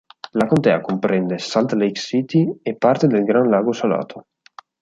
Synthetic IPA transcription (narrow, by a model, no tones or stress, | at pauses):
lakont̪ɛːakompɾɛnd̪esalt̪lejksiːt̪iepːart̪ed̪elɡɾanlaːɡosala̰ːt̪ʰo